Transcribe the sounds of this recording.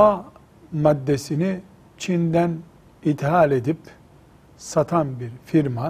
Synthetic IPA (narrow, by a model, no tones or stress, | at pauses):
a | mad̪ːe̞sini | t͡ʃʰind̪æn | it̪ɦalʲe̞d̪ip | sat̪ʰanbiɾfiɾma